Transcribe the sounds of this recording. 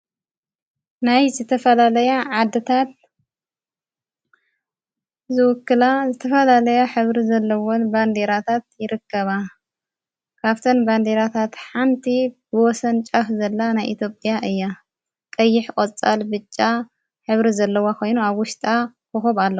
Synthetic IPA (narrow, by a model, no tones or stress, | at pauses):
najzɨt̪ʰɐfɐlalɐjaʕad̪ːɨt̪ʰat̪̚ | zɨwɔkːɨlazɨt̪ʰɐfɐlalɐjaħɨβɾizɐlːɐwonband̪eɾat̪ʰat̪jɪɾɨkːɐβa | kʰaβt̪ʰɐnband̪e̞ɾat̪ʰat̪ħant̪ʰibɨwɔsɐnt͡ʃʼafzɐlːanajʔit̪ʰjopʼjaʔɨjːa | kʼɐjːɪħkʼot͡sʼa̰lbɨt͡ʃʼːa | ħɨβɾizɐlːɐwakʰo̞jnuaβwʊʃt̪ʼa | kɨxoβalːɐw